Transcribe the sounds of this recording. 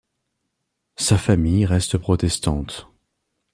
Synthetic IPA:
safamijʁɛst̪əpχɔt̪ɛst̪ɑ̃t̪

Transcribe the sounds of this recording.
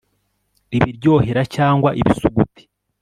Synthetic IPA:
iβiɾɟo̞ːheɾacaːŋɡwaʔiβisuɡuti̥

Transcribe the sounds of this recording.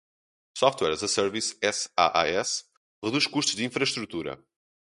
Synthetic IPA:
sɔft̪wɛɾzɐsɛɾvisɛsa̰ʔa̰ɛs | ʁɨðuʃkuʃt̪uʒd̪ĩfɾɐʃt̪ɾut̪uɾɐ̰

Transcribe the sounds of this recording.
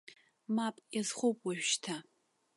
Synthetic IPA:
mapʼjazχʷowpʼwaʒᶣʃtʰa

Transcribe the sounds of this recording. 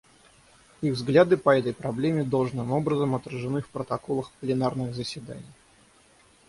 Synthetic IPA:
iɣvzɡlʲad̪ɨpɐɛt̪əjpɾɐblʲemʲɪd̪olˠʐnɨmo̞bɾəzəmɐt̪ɾəʐɨnɨfpɾət̪ɐko̞lˠəxplʲɪnarnɨɣzəsʲvʲɪd̪a̰nʲɪj

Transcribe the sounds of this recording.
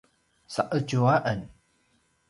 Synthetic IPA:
saʔəd͡ʒuaʔən

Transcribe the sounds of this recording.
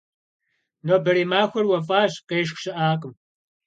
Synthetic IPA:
noːbɐɾiːmaːxʷɐrwɐfʼaːɕqeːʃ̬xʷɕɪʔaːqʼəm

